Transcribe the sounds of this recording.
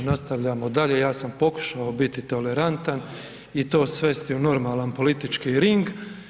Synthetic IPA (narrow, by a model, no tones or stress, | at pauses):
nast̪aʋʎaːmod̪aʎe̞jaːsampo̞ku̥ʃaobit̪it̪o̞le̞ɾant̪an | it̪o̞ːsʋe̞st̪iuno̞ɾmaːlanpo̞lit̪it͡ʃkiːɾiŋɡ